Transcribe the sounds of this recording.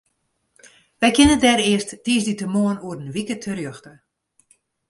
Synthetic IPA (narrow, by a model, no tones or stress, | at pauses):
ʋɛjkɪnətdɛɾɪəstːiːsditəmoənuərənʋikətʰərjøxtə